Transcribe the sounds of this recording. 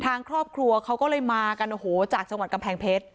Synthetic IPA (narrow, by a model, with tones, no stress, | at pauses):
t̪ʰaː˧ŋkʰɾɔː˥˩p̚kʰɾu˧ɐkʰa˦˥wkɔː˥˩lɤː˧jmaː˧ka˧nʔoː˨˩hoː˩˦t͡ɕaː˨˩k̚t͡ɕa˧ŋwa˨˩t̪̚ka˧mpʰɛː˧ŋpʰe˦˥t̪̚